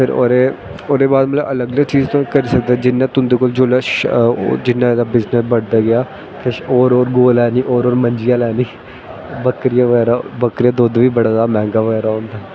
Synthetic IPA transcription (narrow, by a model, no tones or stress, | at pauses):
pʰɪɾo̰ːɾeː | oːd̪eːbaːd̪mət̪ləʔələɡələɡt͡ʃiːzt̪õːkəɾiːsək̚d̪ad͡ʒɪnːãːt̪ʊ̃nd̪eːkoːld͡ʒoːləʃ | d͡ʒɪnːãːd̪aːbɪznəsbəɽd̪aːɡɪjaː | kʰɪʃoːɾoːɾɡoːlɛːniːʔoːɾoːɾməɲd͡ʒɪjaːlɛːniː | bəkɾɪjaːʋəɡɛːɾaːbəkɾijaːd̪oːd̪ʋiːbəɽaːd̪aːmɛ̃ːŋɡaːʋəɡɛːɾaːɦõːnd̪aː